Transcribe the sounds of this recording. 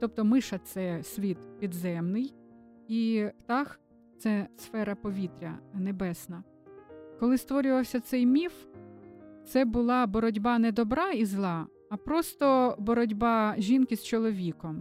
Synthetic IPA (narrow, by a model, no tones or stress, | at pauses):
t̪ɔpt̪ɔmɪʃɐt̪sɛsʲʋʲit̪pʲid̪zɛmnɪj | it̪ɑx | t̪sɛsfɛɾɐpɔʋʲit̪ɾʲɐ̰nebɛsnɐ | kɔlˠɪst̪ʋɔɾʲʊʋɐwsʲɐt̪sɛjmʲif | t̪sɛbʊlˠɑbɔɾɔdʲbɑnɛd̪ɔbɾɑizlˠɑː | pɾɔst̪ɔbɔɾɔdʲbɑʒʲinkɪst͡ʃɔlˠɔʋʲikɔm